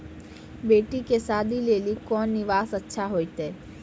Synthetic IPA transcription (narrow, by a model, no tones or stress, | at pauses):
beːʈikesaːd̪ʱileːlikɔːnːɪʋaːsɐtːʃʰaɦoːit̪ɦeː